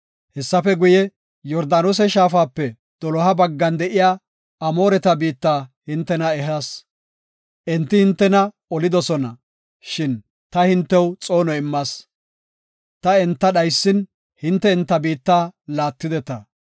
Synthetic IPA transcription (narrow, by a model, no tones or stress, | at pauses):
hɛsːɐfɛɡʊjɛ | jɔɾd̪aːnos̬ɛʃaːfaːpːɛ | d̪̥ɔlɔɦɐbɐɡːɐnd̪ɛʔɪjaː | ɐmo̞ːɾɛt̪ɐbiːt̪ːaːhɪnt̪ːɛnɐɛɦɐs | ʔɛnt̪ːɪhɪnt̪ːɛnɐ | ɔlɪd̪ɔsɔnɐ | ʃɪn | t̪ɐhɪnt̪ːɛwt͡sʼo̞ːnɔɪmːɐs | t̪ɐɛnt̪ːɐɗɐjsːɪn | hɪnt̪ːɛɛnt̪ːɐbiːt̪ːaːlaːt̪ːɪd̪ɛt̪ɐ